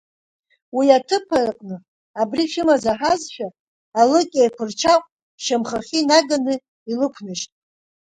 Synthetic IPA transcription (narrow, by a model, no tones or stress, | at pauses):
wiatʰɨpʰarqʼnɨ | abriχʲɪmazaħazʃᶣaː | lɨkʲʼejkʷʰɨrt͡ʃʰakʷʼ | ʃamχaχʲinaɡanɨ | ilɨkʷʰnɨʃtʼ